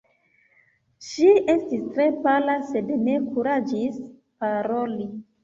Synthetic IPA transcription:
ʃie̞stistɾe̞palase̞dne̞kʰuɾad͡ʒis | paɾoli

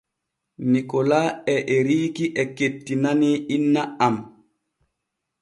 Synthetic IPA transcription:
nikɔlaɛʔɛɾiːkiʔɛketːinaniinːaam

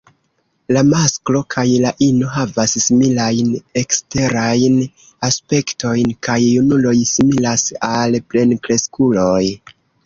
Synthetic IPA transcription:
lamasklo̞kʰajlaʔino̞ɦavasːimilajne̞kste̞ɾajn | aspe̞kto̞jnkajunulo̞jsimilasalple̞nkle̞skulo̞j

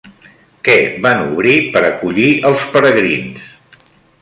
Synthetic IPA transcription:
kɛβanṵβɾipəɾəkuʎiəlˠspəɾəɣɾḭns

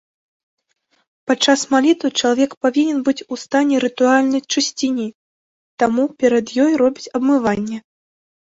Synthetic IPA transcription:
pat̪t͡ʂːasmalʲit̪vɨt͡ʂɐlˠavʲɛkpavʲinʲɛnbɨt͡sʲust̪anʲɛɾɨt̪ualʲnɐjt͡ʂɨsʲt͡sʲinʲij | t̪amupʲɛɾɐd̪jɔjɾɔbʲit͡sʲɐbmɨvanʲːɛ

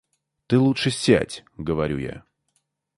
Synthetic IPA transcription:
t̪ɨlˠutʂɨsʲæ̰tʲɡəvɐɾʲuja̰

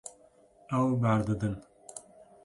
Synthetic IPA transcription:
ɛwbæɾd̪ɨd̪ɨn

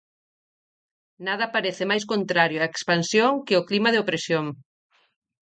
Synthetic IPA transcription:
nað̞ɐpaɾeθemajs̬kont̪ɾaɾjoaekspansjoŋkeoklimaðeopɾesjoŋ

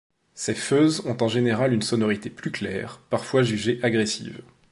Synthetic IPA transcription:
sɛføzɔ̃t̪ɑ̃ʒeneʁalynsɔnɔʁit̪eplyklɛːʁpaʁfwaʒyʒeʔaɡʁesḭːv

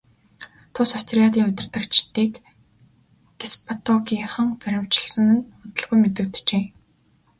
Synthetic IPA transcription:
t̪ʰʊsɔt̪ʰriat̪̬iːŋʊt̪ʲɪ̆r̥t̪ə̆kt͡ɕʰt̪iːk | ɡespʰat̪ʰɔkiːχə̆ɴpæɾʲɪ̆m̥t͡ɕɪ̆ɮsɘ̆nɘ̆nxɵt̪ɘ̆ɮɣujmet̪ɘ̆kt̪t͡ɕeː

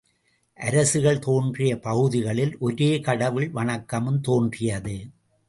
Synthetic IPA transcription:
ʔɐɾɐsɯɣɐɭt̪oːndrɪjɐpɐɣɯðɪɣɐɭɪlʔɔɾeːkɐɽɐʋɪɭʋɐɳɐkːɐmɯmt̪oːndrɪjɐðɯ

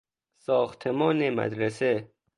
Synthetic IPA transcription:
sɒːxt̪ʰemɒːnemæ̰d̪ɾese

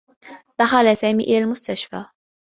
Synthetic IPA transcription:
d̪̥axalasaːmiːʔɪlaːlmʊst̪aʃfa̰ː

